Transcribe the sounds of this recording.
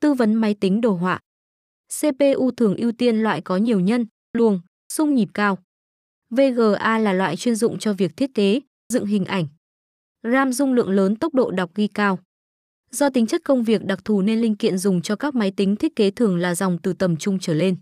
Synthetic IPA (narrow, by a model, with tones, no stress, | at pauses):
t̪ɨ˧və˨˦nma˨˦jt̪ï˨˦ŋ̟ɗo˨˩ɦwa̰ː˧˨ | se˧pe˧ʔu˧t̪ʰɨ˨˩əŋʔi˧əwt̪i˧ənlwa̰ː˧˨jkɔ˨˦ɲi˨˩əwɲə˧n | lu˨˩əŋ | sʊ˧ŋ͡mɲi˨˩p̚kaː˧w | ve˧ɣəː˨˩ʔaː˧laː˨˩lwa̰ː˧˨jt͡ɕwi˧ənzʊ̰˧˨ŋ͡mt͡ɕɔ˧vi˨˩ək̚t̪ʰi˦˥ət̚ke˨˦ | zɨ̰˧˨ŋɦï˨˩ŋ̟ʔa˧˩jŋ̟ | zaː˧mzʊ˧ŋ͡mlɨ̰˧˨əŋləː˨˦nt̪ə˦˥k͡p̚ɗo̰˧˨ɗa˨˩wk͡p̚ɣi˧kaː˧w | zɔ˧t̪ï˨˦ŋt͡ɕə˦˥t̚kə˧wŋ͡mvi˨˩ək̚ɗa˨˩k̚t̪ʰu˧˩ne˧nlï˧ŋ̟kḭ˧˨ənzʊ˨˩ŋ͡mt͡ɕɔ˧kaː˦˥k̚ma˨˦jt̪i˨˦ŋ̟t̪ʰi˦˥ət̚ke˨˦t̪ʰɨ˨˩əŋlaː˨˩za˨˩wŋ͡mt̪ɨ˨˩t̪ə˨˩mt͡ɕʊ˧ŋ͡mt͡ɕəː˧˩le˧n